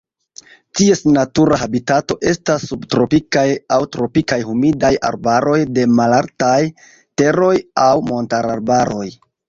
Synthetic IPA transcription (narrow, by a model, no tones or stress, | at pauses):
tie̞snatuɾahabitato̞ʔe̞stasːubtɾo̞pikajawtɾo̞pikajhumidaja̰ɾbaɾo̞jde̞malaɾtaj | te̞ɾo̞jawmo̞ntaɾaɾbaɾo̞j